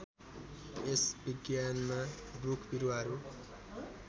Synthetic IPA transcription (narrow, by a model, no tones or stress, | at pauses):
esbiɡjanmabukʰbiɾuɦʌɾu